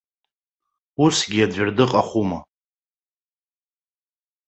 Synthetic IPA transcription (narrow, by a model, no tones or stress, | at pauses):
usɡʲiadʷᶣɪrdɨqʼaχʷuma